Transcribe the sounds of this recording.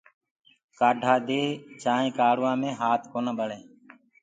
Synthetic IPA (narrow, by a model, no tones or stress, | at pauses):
kaːɖʱaːd̪eːt͡ʃaːɦẽːkaːɽʊʋãːmẽːɦaːt̪ʰkoːnəɓəɽẽː